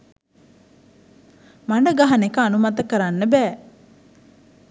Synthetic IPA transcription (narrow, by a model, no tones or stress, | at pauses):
maɳɖəɡaɦɐnekəːnumat̪əkəɾanːəbɛː